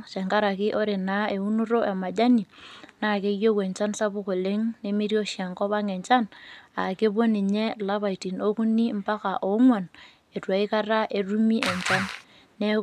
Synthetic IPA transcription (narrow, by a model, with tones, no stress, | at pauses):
t͡ʃe˨ŋka˦ɾa˨kɪ˦ʔo˦ɾe˨na˨˦e˨u˦nu˦ɾo˦ʔe˨ma˨d͡ʒa˦ni˨na˨ke˦jo˦ke˨ɲt͡ʃa˦nsa˦bʊ˦ko˨le˦ŋne˦mi˦ɾjo˦ʃja˨ŋkɔ˦βa˦ŋe˨ɲt͡ʃa˦na˨ke˦bo˦ni˨ɲe˦˨la˦βa˨i˨ti˨no˦ku˦ni˦m̩˦pa˦ka˨ʔo˨˦ŋwa˨n | e˨twa˨i˦ka˦ɾa˦ʔe˨ru˦mi˦ʔe˨ɲt͡ʃa˦nː | e˦